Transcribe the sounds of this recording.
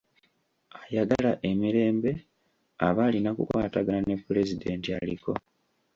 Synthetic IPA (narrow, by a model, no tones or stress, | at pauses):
ajaɡalaʔe̞miɾe̞ːmbe̞ | a̰βalinakukwaːtaɡalane̞pːule̞zide̞ntialḭko̞̰